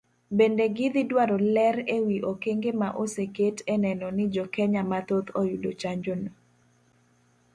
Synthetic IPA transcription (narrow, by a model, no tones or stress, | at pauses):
bendeɡɪd̪ɪdwaɾɔlɛɾewiʔokeŋɡemaʔoseketɛnɛnɔnɪd͡ʒɔkɛɲamat̪ot̪ojudot͡ʃaɲd͡ʒono